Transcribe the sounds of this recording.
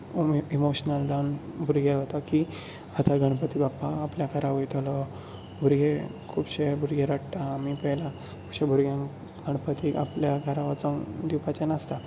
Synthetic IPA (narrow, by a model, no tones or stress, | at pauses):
imoɕnəld̪anbʱuɾɡeɦot̪aki | at̪aɡʱəɳ̃pət̪ibapːaːpljakʰəɾaʋəjt̪ʰolɔ | bʱuɾɡekʰuːbɕebʱuɾɡeɾəɽʈaːmipəjla | kʰubɕebʱuɾɡjãn | ɡ̥ʱəɳ̃pət̪iʔa̰pljaɡʱəɾaʋat͡səd̪ipat͡ɕanast̪a